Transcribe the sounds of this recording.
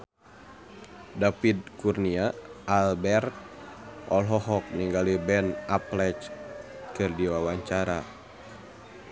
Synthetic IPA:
dapid̪̚kurniaʔalbɛrt̪̚ʔɔlɦɔɦɔk̚niŋɡalibɛnaplɛt͡ʃ | kɨrdiwawaɲt͡ʃaɾa

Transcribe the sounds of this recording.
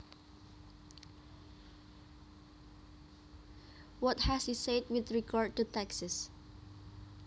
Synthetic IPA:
wɔt̚hɛshised̚wɪθɹiɡaɹd̚tutɛksəs

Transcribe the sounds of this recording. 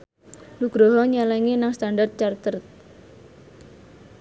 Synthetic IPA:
luɡ̥ɾɔɦɔɲalɛŋinaŋst̪andart̪̚t͡ʃart̪ərt̪̚

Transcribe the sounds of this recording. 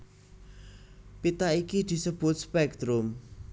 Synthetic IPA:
pit̪aikid̪̥i̤səb̥ʊ̤t̪̚spɛk̚d̪ɾʊm

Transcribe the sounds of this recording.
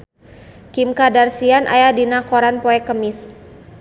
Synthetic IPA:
kimkadarsianʔa̰jadinakɔɾanpɔɛkəmis

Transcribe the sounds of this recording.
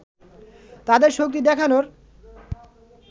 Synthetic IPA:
t̪ad̪eɾʃok̚t̪id̪ɛkʰanoɾ

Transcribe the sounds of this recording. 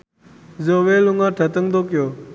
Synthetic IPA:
zoʋeluŋaʈʰət̪əŋd̪okijo

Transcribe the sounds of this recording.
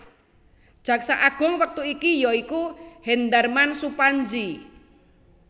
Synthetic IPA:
d̥ʒ̥a̤ksaʔaɡ̥ɔ̤ŋwək̚t̪uikijɔikuhɛnd̪armansupaɲd͡ʒi

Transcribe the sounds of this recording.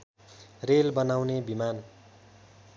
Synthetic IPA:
relbʌnawnebiman

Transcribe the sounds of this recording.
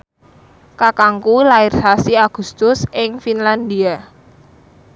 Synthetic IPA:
kakaŋkulaɪrsasiaɡ̥ṳst̪ʊsɪŋfinland̪ia

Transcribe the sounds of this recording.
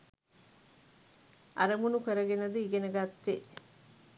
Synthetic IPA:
ʔa̰ɾəmunukəɾəɡenəd̪əiɡenəɡat̪ːe

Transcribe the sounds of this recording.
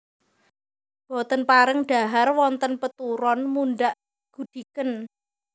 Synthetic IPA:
b̥ɔt̪ənpaɾɪŋɖ̥a̤ɦarwɔnt̪ənpət̪uɾɔnmuɳɖaʔ | ɡ̥ṳd̪̥i̤kən

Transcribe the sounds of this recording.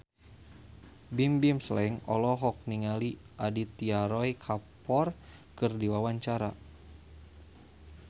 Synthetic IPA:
bimbimslɛŋɔ̰lɔɦɔk̚niŋali | ʔadit̪iaɾɔjkʰapɔrkɨrdiwawaɲt͡ʃaɾa

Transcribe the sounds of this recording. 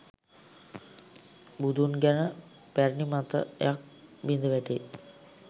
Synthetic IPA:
bud̪unɡænə | pæɾnimat̪ə̰ḛjak̚ʋind̪əʋæʈe

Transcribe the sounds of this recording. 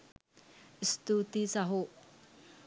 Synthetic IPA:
st̪ut̪isaɦo

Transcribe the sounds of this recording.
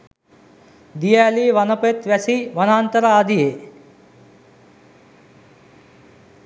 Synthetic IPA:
d̪ijaliʋɐnopet̪ʋæsiʋɐnaːnt̪ɐɾaad̪ije

